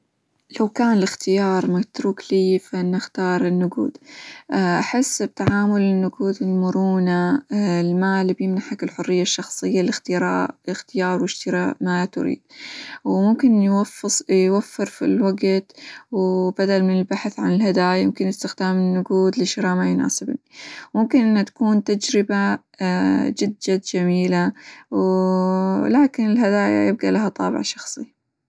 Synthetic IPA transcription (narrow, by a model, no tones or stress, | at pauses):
lawkaːnɪlɪxt̪ɪjɑːɾˤmat̪ɾuːkliːfaʔɪnːaxt̪ɑːɾˤɪnːʊɡṵːd̪̥ʔʔaħɪsːb̚t̪aʕaːmʊlɪnːʊɡuːd̪ɪlmʊɾuːnalmaːlbjɪmnaħakɪlħʊrːɪjːaʃːɑxsˤɨjːalɪxt̪ɪjɾˤɑ̰ːʔɪxt̪ɪjɑːɾˤwɪʃt̪ɪɾamaat̪ʊ̰ɾḭːd̪̥̚wmʊmkɪnjwafsjwafːɨɾfḭlwaɡt̪wb̥ad̪almɪnɪlbaħθʕa̰nɪlhad̪aːjajɪmkɪnjɪst̪ɪxd̪aːmɪnːʊɡuːd̪lɪʃɪɾaːmajʊna̰ːsɪbnimʊmkɪnʔɪnːat̪ḁkuːnt̪ad͡ʒɾɪba | d͡ʒɪd̪ːad͡ʒamiːlaw | laːkɪnɪlɦad̪aːja̰jɪb̚ɡalaɦat̪ˤɑːbɪ̰ʕʃɑxsˤi